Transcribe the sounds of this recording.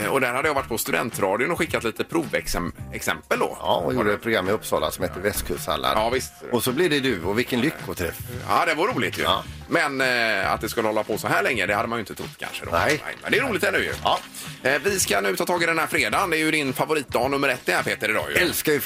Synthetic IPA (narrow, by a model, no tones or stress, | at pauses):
ɔd̪æɾhad̪ːəjavaʈ̚ːpʰɔst̪ʉd̪ɛ̰nt̪ɾɑːd̪ɪʊnɔɧɪkːat̪liːt̪əpʰɾuːvɛ̰ksɛmɛksɛ̰mpəld̪ɔ̰juɖəɛpʰɾʊɡɾamːɛɵpsɑːla̰nsɔmheːt̪ːəvɛst̪kʰɵʂsa̰lːa̰ɑːvɪst̪ɔsɔblɪɖɛd̪ɵɔvɪlkːənlʏkːɔt̪ʰɾɛa̰d̪ɛvʊɾuːlɪt̪jɵ̰ | mɛna̰t̪̚d̪ɛskɵlːəhɔlːapʰɔsɔɦæːɭɛŋːɾəd̪ɛhad̪əmanjʏɪnt̪ət̪ʰɾʊ̰t̪ːkʰa̰nʂə̰d̪ɔ̰nɛ̰mɛ̰nd̪ɛːɾuːlɪt̪d̪ænʉ̟ːjɵ̰ | vɪskanʉ̟ːt̪ʰɑːt̪ʰɑːɡɪd̪ɛnhæːɾfɾeːd̪and̪ɛːɾjɵd̪ɪnfavʊɾiːt̪̚d̪ɑːnɵmːəɾɛt̪̚ːd̪ɛnæːɾpʰeːt̪əɾɛd̪ɑ̰ːj̰ɛlskajə